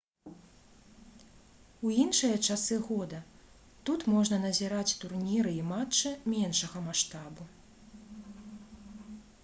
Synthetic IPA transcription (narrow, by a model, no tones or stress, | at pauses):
winʂɨjɐt͡ʂasɨɣɔd̪ɐ | t̪ut̪mɔʐnɐnɐzʲiɾat͡sʲt̪urnʲiɾɨimat͡ʂːɨmʲɛnʂɐɣɐmaʂt̪abu